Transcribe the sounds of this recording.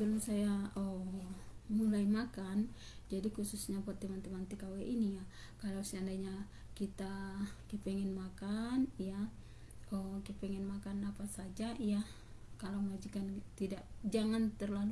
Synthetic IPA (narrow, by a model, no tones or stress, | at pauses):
bɛlumsajaɔ | mulaimakan | d͡ʒadikususɲapɔrt̪imant̪imant̪ikawɛʔinija | kalawsɛandaiɲa | kit̪akipɛŋɛnmakanja | ɔkiapɛŋɛnmakanapasad͡ʒaʔija | kalawməwad͡ʒikant̪idaʔd͡ʒaŋant̪ərlalu